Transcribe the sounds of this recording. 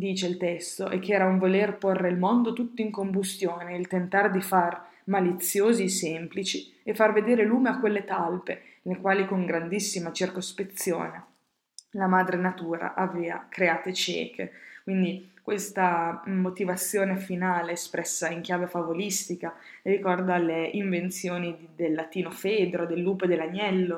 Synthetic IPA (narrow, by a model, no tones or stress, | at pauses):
d̪iːt͡ʃeilt̪ɛst̪oʔɛkːɛːɾauɱvolerporːeilmond̪ot̪ut̪ːoiŋkombust̪joːneilt̪ent̪ard̪ifar | malit̪sːjoːzisɛmplit͡ʃi | efːarved̪eːɾeluːmeakːwelːet̪alpe | lekwaːlikoŋɡɾand̪isːimat͡ʃirkospet̪sːjo̰ːne | lamaːd̪ɾenat̪uːɾa̰ʔavɛːa̰kɾeaːt̪et͡ʃɛ̰ːkʰḛkwind̪ikwest̪amot̪ivat̪sːjoːnefinaːleːspɾʔɛsːaiŋkjaːvefavolist̪ika | rikɔrd̪aleʔiɱvent̪sjoːnid̪elːat̪iːnofeːd̪ɾod̪elːuːped̪elːaɲːɛlːo